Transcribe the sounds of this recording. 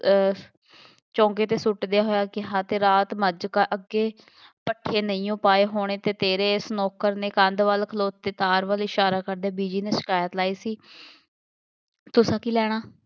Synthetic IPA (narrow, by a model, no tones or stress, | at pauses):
t͡ʃɔ̃ːŋkeːt̪eːsʊʈd̪ejaːɦoːjaːkɪɦaːt̪eːɾaːt̪məd͡ʒkaʔəɡeː | pəʈʰːeːnəĩːõːpaːeːɦoːɽ̃eːt̪eːt̪eːɾeːɪsnɔːkəɾneːkə̃nd̪ʋəlkʰəloːt̪ːeːt̪aːɾʋəlɪʃaːɾaːkəɾd̪eːbiːd͡ʒiːneːsɪ̥kaːjət̪laːiːsiː | t̪ʊsãːkiːlɛːɽ̃aː